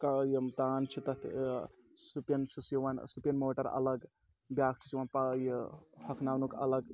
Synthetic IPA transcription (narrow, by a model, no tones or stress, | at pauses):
kajemt̪aːnt͡ʃʰit̪ɐt̪ʰ | supjɐnt͡ʃʰusjʋansupjɐnmoːʈɐɾɐ̰lɐɡ | bjaːk̚t͡ʃʰi̥siʋanpajehɐkʰnaːwnukʰɐ̰ləɡ